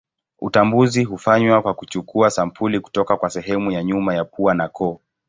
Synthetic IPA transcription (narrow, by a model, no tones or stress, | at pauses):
ṵtambuziɦufaɲwakwakut͡ʃukuasam̩pʰuliku̥tɔkakwasɛɦɛmujaɲumajapuanakʰɔː